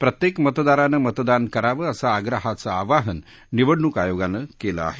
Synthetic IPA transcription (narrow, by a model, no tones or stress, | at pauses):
pɾət̪jekmət̪d̪aɾanəmət̪d̪ankəɾaʋəːəsaːɡɾəɦat͡saaʋaɦənː | iʋəɽɳukajoɡanəkela̰a̰ɦe